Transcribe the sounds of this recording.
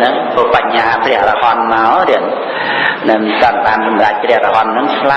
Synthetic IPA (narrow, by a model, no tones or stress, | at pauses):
nɨŋpʰopaɲhaːpʰrɛ̆əhrɑhɑnmaɔriən | nɨŋt̪əənɓaːnsɑmrac̚prɛəhrɑɦɑnːɨŋt̪ʰla